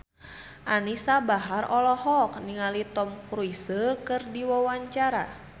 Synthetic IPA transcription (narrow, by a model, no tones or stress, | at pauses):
ʔanisabaɦarɔlɔhɔk̚niŋalit̪ɔmkɾuisəkɨrdiwawaɲt͡ʃaɾa̰